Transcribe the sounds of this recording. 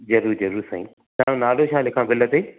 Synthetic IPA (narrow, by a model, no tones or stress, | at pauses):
zɐɾuːɾzɐɾuːɾsã̰ːĩː | t̪ãːɽ̃õnaːloʃaːlɪkʰãːʋɪlət̪iː